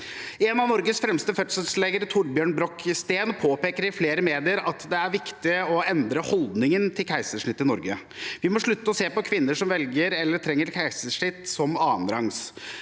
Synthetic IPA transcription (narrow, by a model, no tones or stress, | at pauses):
ɛnɑʋnɔɾɡəsfɾɛmst̪əfœt̪səlsleːɡəɾət̪ʰʊɖbjøːɳbɾɔkːst̪eːnpʰoːpeːkəɾɪfleːɾəmeːd̪ɪəɾɑt̪d̪ɛæɾʋɪkt̪ɪəɔɛnd̪ɾəhɔld̪nɪŋənt̪ʰɪlkʰæɪsəʂɳɪt̪ːɪnɔɾɡə | ʋɪmɔʂɭʉt̪ːəɔseːpɔkʰʋɪnːəʂɔmʋɛlɡəɾɛlːəʈ̪ʰɾɛŋːəɾkʰæɪsəʂɳɪt̪ːsɔmɑːənɾɑŋs